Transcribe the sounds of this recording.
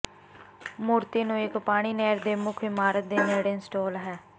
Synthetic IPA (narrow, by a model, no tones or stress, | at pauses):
muːɾt̪iːnũːɪkpaːɽ̃iːnɛːɾd̪eːmʊkʰɪmaːɾət̪̚d̪eːneːɽɪnsʈoːlɦɛː